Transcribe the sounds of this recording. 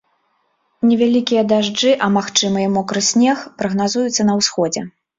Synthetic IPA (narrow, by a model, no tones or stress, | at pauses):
nʲɛvʲalʲikʲijɐd̪aʐd͡ʐɨʔɐmaxt͡ʂɨmɨjɛmɔkɾɨsʲnʲɛxpɾɐɣnazujut̪sːɐnɐwsxɔd͡zʲɛ